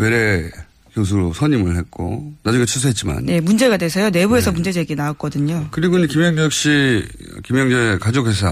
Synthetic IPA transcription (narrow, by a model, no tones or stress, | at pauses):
weɾe | kjos̬ʰɯɾosʰʌɲimɯɭhet̚k͈o̰nad͡ʑuŋɡet͡ɕʰusʰuɦet̚t͡ɕ͈ima̰nje̞mund͡ʑe̞ɡadwesʰʌjone̞bue̞sʰʌmund͡ʑe̞d͡ʑeɡenaok̚k͈ʌdɯɲokɯɾiɡoinekimjʌŋd͡ʑʌk̚ɕ͈ḭ | kimjʌŋd͡ʑekad͡ʑok̚hes̬ʰa